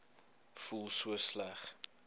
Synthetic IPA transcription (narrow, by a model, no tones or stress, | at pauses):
fulˠsuəslæχ